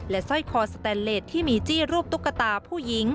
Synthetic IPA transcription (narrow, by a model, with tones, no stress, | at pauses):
lɛ˦˥sɔ˥˩jkʰɔː˧st̪ɛː˧nleː˨˩t̪ʰːiː˥˩miː˧t͡ɕiː˥˩ɾuː˥˩p̚t̪u˦˥kːa˧t̪aː˧pʰuː˥˩ji˦˥ŋ